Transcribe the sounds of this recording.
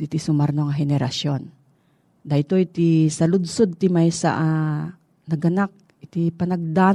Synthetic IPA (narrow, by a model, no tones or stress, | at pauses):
ɪt̪isʊmɐɾnoŋɐɦɛnɛɾaʃjon | d̪ɐɪt̪ojt̪isɐlʊd̪̚sod̪̚t̪ɪmajsa̰ʔa | nɐɡɐnak̚ | ɪt̪ipɐnɐɡ̚d̪aː